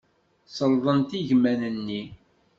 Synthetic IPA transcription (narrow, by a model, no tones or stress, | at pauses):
səlðˤənt̪iʝmænənːi